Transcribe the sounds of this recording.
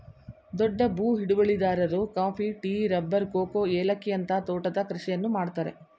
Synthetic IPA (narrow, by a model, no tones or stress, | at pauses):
d̪ɔɖːɐbuːɦiɽuʋɐɭid̪aːɾɐɾukaːpʰiʈiːɾɐbːɐɾkoːkoːeːlɐkːijɐnt̪ɐt̪oːʈɐd̪ɐkɾɐʂɛjɐnːumaːɽt̪aːɾḛ